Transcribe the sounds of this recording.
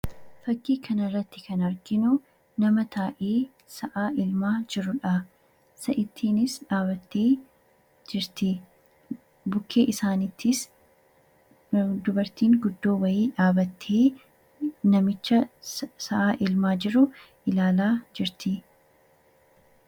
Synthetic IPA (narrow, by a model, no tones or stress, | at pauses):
fɐkːiːkʰɐnɪrːɐt̪ːɪ̥kɐnɐɾɡɪnʊ | nɐmɐt̪ʰaːʔeː | sɐʔaːʔɪlmaːd͡ʒɪɾːʊᶑɐ | sɐʔɪt̪ʰːiːnɪsᶑaːbɐt̪ːeː | d͡ʒɪɾt̪ɪ | bʊkʰːe̞ːʔɪsaːnɪt̪ʰːɪs | d̪ʊbɐɾt̪iːŋɡʊd̪ːoːwɐjiːᶑaːbɐt̪ʰːeː | nɐmɪt͡ʃːɐsɐʔaːʔɪlmaːd͡ʒɪɾʊ | ʔɪlaːlaːd͡ʒɪɾt̪ɪ